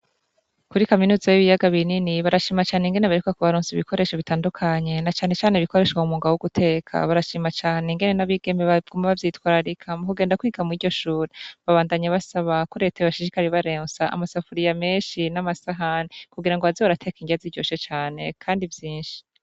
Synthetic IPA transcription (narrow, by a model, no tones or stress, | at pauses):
kuɾikaminuːzajiβijaɡaβininiβaɾaʃiːmat͡ʃaːne̞ŋɡe̞ne̞βaɾikukakuβaɾuːnsziβikʰo̞ɾe̞ːʃoβitaːndukʰaɲe̞nat͡ʃaːne̞t͡ʃaːneβikʰo̞ɾe̞ʃwamumuːŋɡawuɡutʰe̞ːkʰa̰βaɾaʃimat͡ʃaːneŋɡe̞ne̞naβiɡ̥e̞mbeβaɡumaβavjiːtwaːɾaɾikʰamukuɡeːndakwiːɡamiːɾɟo̞ʃuːɾeβaβaːndaɲaβasaβako̞ɾe̞ːtajoβaʃiʃikaɾiβaɾeːnsaa̰masafuɾijame̞ːnʃinamasaɦanekuɡiɾaŋɡoazoβaɾatʰe̞ːkiŋɡaziɾɟo̞ːʃot͡ʃaːne̞̰kʰaːndivjiːnʃi̥